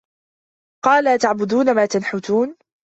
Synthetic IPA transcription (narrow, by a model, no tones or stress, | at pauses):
qɑːlaːt̪aʕbʊd̪uːnamaːt̪anħʊt̪uːn